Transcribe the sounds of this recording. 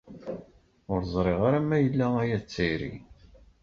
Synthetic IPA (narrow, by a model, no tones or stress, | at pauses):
ʊɾzˤɾˤeʁaɾæmːæjəlːææjæt͡sːiɾḭ